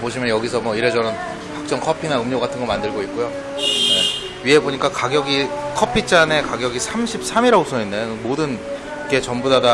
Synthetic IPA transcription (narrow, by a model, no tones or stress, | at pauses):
poɕ̬ʰimjʌnjʌɡisʰʌmwʌiɾe̞d͡ʑʌɾɯn | hak̚t͡ɕ͈ʌŋkʰʌpʰinaɯmɲoɡatʰɯnɡʌmandɯɭɡoik̚k͈ujo | ne̞ | ɥiɦe̞boɲik͈akaɡjʌɡikʰʌpʰit͡ɕ͈ane̞kaɡjʌɡisʰamɕʰip̚s͈ʰamiɾaɡosʰʌinːeɯmodɯn | ikʰe̞t͡ɕʌmbudada